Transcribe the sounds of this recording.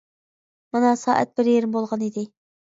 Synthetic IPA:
mɑnɑsɑ̰ːʔæ̰t̪̚bɪɾjeɾɪmbolˠʁɑnid̪ɪ

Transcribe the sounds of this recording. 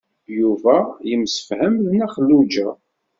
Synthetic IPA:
juvæjəmsə̥fhəmðnæχəlːud͡ʒæ

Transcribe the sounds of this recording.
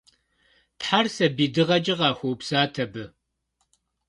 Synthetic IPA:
tħarsɐbiːdɨʁɐd͡ʒʼɪʁɑːxʷowpsaːtʰɐbɨ

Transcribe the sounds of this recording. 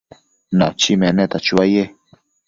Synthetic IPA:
na̰t͡ʃimenet̪at͡ʃuaje

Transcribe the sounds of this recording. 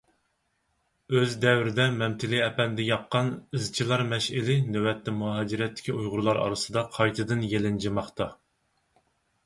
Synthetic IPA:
øzd̪ɛwɾɪd̪ɛmɛmt̪ʰɪlɪɛpɛnd̪ɛjɑqːɑnɨzt͡ʃʰilˠɑɾmɛʃɪlɪnɛwɛt̪ːɛmuɦɑd͡ʒiɾɛt̪ʰːɪ̥kʲiujʁʊɾlˠɑɾɑ̰ɾɨsɨd̪ɑqʰɑjt̪ʰɨd̪ɨnjelɪnd͡ʒimɑχt̪ɑ

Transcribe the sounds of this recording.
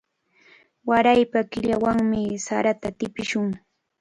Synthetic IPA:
waɾajpakɪʎawaŋmɪsaɾat̪at̪ɪpɪʃʊŋ

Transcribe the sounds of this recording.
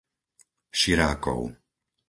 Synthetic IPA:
ʃiɾaːkɔ̰ʊ

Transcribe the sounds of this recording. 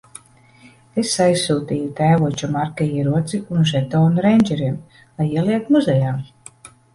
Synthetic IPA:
esajsːuːt̪iːjut̪æːvuɔt͡ʃumaɾkajiːɾuɔt̪siunʒɛt̪ɔːnuɾɛjnʲd͡ʒɛɾiɛm | lˠajiɛliɛk̚t̪muzʲɛjaːm

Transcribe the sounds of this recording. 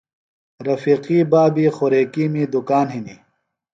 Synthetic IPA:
ɾɐfiːqiːbaːbiːxoɾeːkiːmiːd̪ukaːnɦiniː

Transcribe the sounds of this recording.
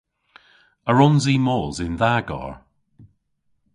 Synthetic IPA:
əɹɔnziːmɔːzɪnðaɡɔ̰ɹ

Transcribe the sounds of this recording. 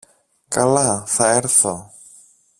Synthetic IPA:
kʼalaθaɛɾθɔ

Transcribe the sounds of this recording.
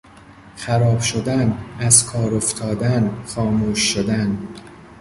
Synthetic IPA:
xæɾɒːb̥ʃod̪ænæzkʰɒːɾoft̪ʰɒːd̪ænxɒːmuːʃːod̪æn

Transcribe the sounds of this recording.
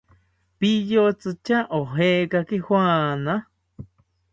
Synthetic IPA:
pijot͡sɨt͡ʃaʔoɦekakihwãna

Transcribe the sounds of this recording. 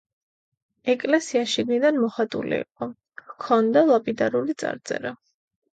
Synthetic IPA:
ɛkʼlɛsiaʃiɡnid̪anmɔχat̪ʼṵlḭːqʼɔ | hkʰɔnd̪alˠapʼid̪aɾulit̪sʼa̰ɾd̪zʼɛ̰ɾa

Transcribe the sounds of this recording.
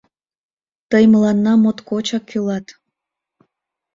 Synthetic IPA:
t̪əjməlɑnːɑmot̪kot͡ɕɑkʰːylɑt̪

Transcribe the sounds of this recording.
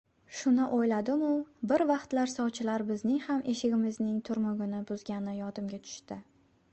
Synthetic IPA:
ʃʊnɪʔojlad̪ɪmʊbɪɾvɑqt̪laɾsɒwt͡ʃʰɪlaɾbɪznɪŋhamʔe̞ʃɪɡʲɪmɪznɪŋt̪ʰʊɾmʊɡʲɪnɪbʊzɡʲanɪjɒd̪ɪmɡʲat̪ʰʊ̥ʃt̪ɪ

